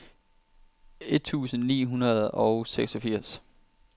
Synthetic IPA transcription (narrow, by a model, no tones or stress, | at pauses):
e̝d̥̚t͡sʰṵːsn̩nḭːɦunɐð̞ˠɒʊseɡ̥sɒfiɐ̰s